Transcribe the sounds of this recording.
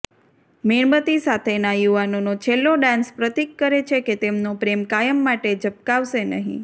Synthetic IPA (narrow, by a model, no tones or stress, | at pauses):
meɳmət̪isat̪ʰenajuʋanonot͡ʃʰelːoɖãnspɾət̪ikːəɾet͡ʃʰeket̪emnopɾemkajəmːaʈed͡ʒəp̚kaʋʃenə̰ɦḭ̃